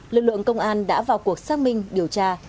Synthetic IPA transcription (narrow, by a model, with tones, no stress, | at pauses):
lɨ˨k̚lɨ̰˧˨ə˨ŋkə˧wŋ͡mʔaː˧nɗa̰ː˧˥vaː˨˩wku˨˩ək̚saː˦˥k̚mï˧ŋ̟ɗi˨˩əwt͡ɕaː˧